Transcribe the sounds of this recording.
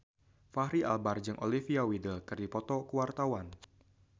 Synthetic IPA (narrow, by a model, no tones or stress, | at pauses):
fahɾiʔa̰lbard͡ʒɨŋʔo̰lifiawidəlkɨrdipɔt̪ɔkuwart̪awan